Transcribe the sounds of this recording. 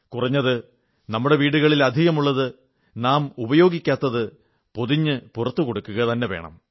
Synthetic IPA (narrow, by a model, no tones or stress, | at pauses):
kurɐɲːɐðɨ | nɐmːuɽe̞ʋiːɽuɣɐɭilɐd̪ʱiɣɐmuɭːɐðɨ | naːmubɐjo̞ːɡikʲːaːt̪ːɐðɨ | po̞ðiɲːɨpurɐt̪ːukoɽukːuɣɐt̪ɐnːeʋe̞̰ːɳɐ̰m